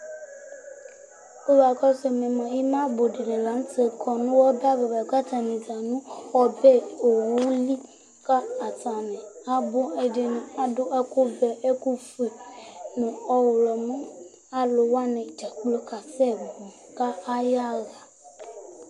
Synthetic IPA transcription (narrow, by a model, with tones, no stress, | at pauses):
o˦ba˨kɔ˦se˨mɛ̃˨mã˨ji˦mã˦bo˨ɖe˨nẽ˨la˨˦ŋ˦te˨kʰɔ˨nũ˦wɔ˦ba˦be˨ba˨ɡ͡ba˦t̪a˨nĩ˨d͡za˨nũ˦xɔ˦be˦o˨wo˦li˦ | ka˦a˨ta˨nɛ̃˨a˦bo˦e˨ɖe˨nũ˨a˦ɖo˦ʔɛ˦ko˦bɛ˨e˦ku˦fe˨nũ˨ɔ˦wo˨lɔ˨mũ˦ | a˦lo˨wa˦nɛ̃˨d͡ʒa˨k͡plo˦ka˨sɛ˦bo˨ka˦a˦ja˦ɣa˨